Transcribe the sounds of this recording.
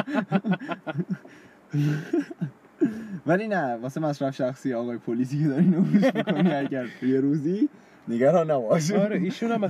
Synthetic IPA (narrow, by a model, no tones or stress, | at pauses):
vælinævɒːsemæsɾæfʃæxsiːɒːɣɒːjepʰoliːs̬iːcʰed̪ɒɾinofuzmikʰo̞niæɟæɾt̪ʰuːjeɾuːzi | neɡæɾɒːnːæbɒːʃɾeiːʃunæmæ